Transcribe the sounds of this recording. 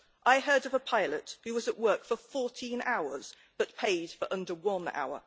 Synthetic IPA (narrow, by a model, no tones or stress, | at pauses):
ʔaɪɦɜːdəvəpʰaɪləthʉwɒzəʔwɜˑkfəfɔˑtʰĩnʔaʊəz̥ | b̥ʌtpʰeɪd̥fəɹʔʌ̃ndəwʌ̃na̰ʊə̰